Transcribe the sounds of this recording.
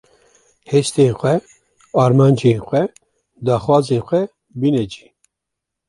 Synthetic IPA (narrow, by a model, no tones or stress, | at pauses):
heːʃt̪eːxʷɛ | ɑːɾmɑːnd͡ʒeːxʷɛ | d̪ɑːxwɑːzeːnxʷɛ | binɛd͡ʒi̥ː